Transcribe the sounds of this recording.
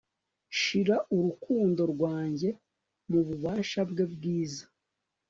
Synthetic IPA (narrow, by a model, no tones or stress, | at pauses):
ʃiɾaʔuɾukʰuːndo̞ɾɡwaːɲɟe̞ | muβuβaːʃabɡe̞b̚ɡiːzḁ